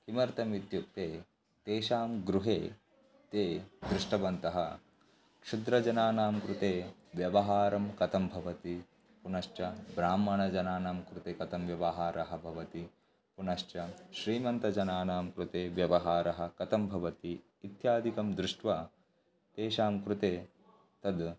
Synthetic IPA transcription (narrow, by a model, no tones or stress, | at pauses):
kimɐɾt̪ɐmit̪juk̚t̪eː | t̪eːʃaːmɡɾuɦeː | t̪eːd̪ɾuʂʈɐʋɐnt̪ɐɦɐ̰ | kʂud̪ɾɐd͡ʒɐnaːnaːmkɾut̪eːʋjɐʋɐɦaːɾɐmkɐt̪ɐmbʱɐʋɐt̪i | punɐʃt͡ʃɐbɾaːmːɐɳɐd͡ʒɐnaːnaːmkɾut̪eːkɐt̪ɐmʋjɐʋɐɦaːɾʔɐɦɐbʱɐʋɐt̪i | punɐʃt͡ʃɐʃɾiːmɐnt̪ɐd͡ʒɐnaːnaːmkɾut̪eːʋjɐʋɐɦaːɾɐɦɐ̆kɐt̪ɐmbʱɐʋɐt̪iː | t̪jaːd̪ʱikɐmd̪ɾɪʂʈʋɐ | t̪eːʃaːmkɾut̪eː | t̪ɐd̪